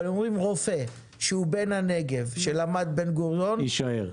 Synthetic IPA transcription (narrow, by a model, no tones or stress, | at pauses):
lomʁimʁo̞fe | ʃeube̞nhane̞ɡe̞vʃelamad̪̚be̞nɡoʁjo̞niʃaeʁ